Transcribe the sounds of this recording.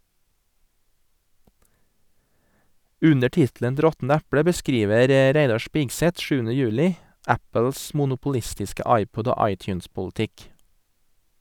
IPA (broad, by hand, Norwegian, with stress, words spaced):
ˈʉnə ˈʈɪtlən t ˈɾɔtn̩ ˈæpɽə bəˈskɾiːʋəɾ ə ˈɾæɪdɑ ˈʃpɪɡsɛt ˈʃʉːənə ˈjʉːlɪ ˈæpəls mʊnʊpʊˈlɪstɪskə ˈɑɪˌpɔd ˈoː ˈɑɪˌtjʉːnspʊlˌtɪk